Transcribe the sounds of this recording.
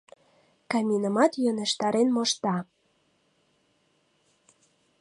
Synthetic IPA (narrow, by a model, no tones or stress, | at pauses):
kɑmʲinə̆mɑt̪jønĕʃt̪ɑɾenmoʃt̪ɑ